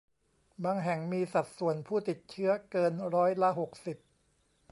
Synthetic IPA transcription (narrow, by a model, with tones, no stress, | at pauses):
baː˧ŋɦɛ˨˩ŋmiː˧sa˨˩t̪̚su˨˩ənpʰuː˥˩t̪i˨˩t̪̚t͡ɕʰɯ˦˥ɐkɤː˧nɾɔː˦˥jla˦˥ɦo˨˩k̚si˨˩p̚